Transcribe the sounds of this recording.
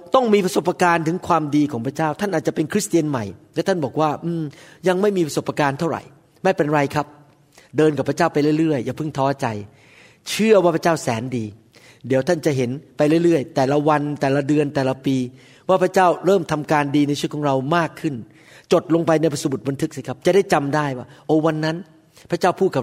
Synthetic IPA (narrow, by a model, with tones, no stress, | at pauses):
t̪ɔ˥˩ŋmiː˧pʰɾa˧so˨˩pːa˧kaː˧nt̪ʰɯ˩˦ŋkʰwaː˧mdiː˧kʰɔː˩˦ŋpʰɾa˧˥t͡ɕaː˥˩wt̪ʰa˥˩nʔ̪̚ːt͡ɕa˨˩pe˧nkʰɾi˦˥st̪i˧ənma˨˩jlɛ˦˥t̪ʰa˥˩nbɔː˨˩k̚waː˥˩ʔɯː˧mja˧ŋma˥˩jmiː˧pʰa˧so˨˩pːa˧kaː˧nt̪ʰa˥˩wɾa̰˨˩j | ma˥˩pe˧nɾa˧jkʰa˦˥p̚ | dɤː˧nka˨˩pʰɾt͡ɕaː˥˩wpa˧jlɯ˥˩˨jɾɯ˥˩əjːaː˨˩pʰɯ˥˩ŋt̪ʰɔː˦˥t͡ɕa˧j | t͡ɕʰɯ˥˩ɐwaː˥˩pʰa˦˥t͡ɕaː˥˩wsɛː˩˦ndiː˧ | di˨˦əwt̪ʰa˥˩nt͡ɕa˨˩ʔɦe˩˦npa˧jlɯ˥˩˨jɾɯ˥˩əjt̪ɛː˨˩la˧wa˧nt̪ɛː˨˩la˧dɯ˧ənt̪ɛː˨˩la˧˦piː˧ | waː˥˩pʰa˦˥t͡ɕaː˥˩wɾɤː˥˩mt̪ʰa˧mkaː˧ndiː˧na˧jt͡ɕʰɯ˥əkɔː˩˦ŋɾa˧wmaː˥˩kʰːɯ˥˩n | t͡ɕo˨˩t̪̚lo˧ŋpa˧jna˧jpa˧su˨˩bu˨˩t̪̚ba˧nt̪ʰɯ˦˥k̚si˧˩kʰa˦˥p̚t͡ɕa˨˩da˥˩jt͡ɕa˧mdaː˥˩jwaː˥˩ʔoː˧˩wa˧nːa˦˥n | pʰɾa˦˥t͡ɕaː˥˩wpʰuː˥˩t̪̚ka˨˩